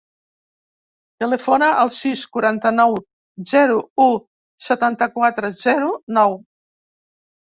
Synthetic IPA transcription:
t̪ələfonəʔəlˠsiskuɾant̪ənɔw | zɛɾuu | sət̪ant̪əkwat̪ɾəzɛɾunɔw

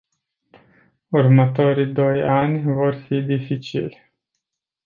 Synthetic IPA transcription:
urmət̪o̞ɾid̪o̞janʲvo̞rfid̪ifit͡ʃḭlʲ

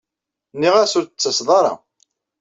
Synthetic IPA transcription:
nːiʁæsʊɾət͡sːəsðˤɑɾˤɑ̰

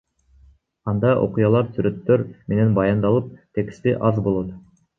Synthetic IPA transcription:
ɑnd̪ɑʔo̰qujɑlˠɑɾsyɾøt̪ːøɾmenenbɑjɑnd̪ɑlˠɯp̚t̪ekst̪iʔɑzbo̞lˠot̪

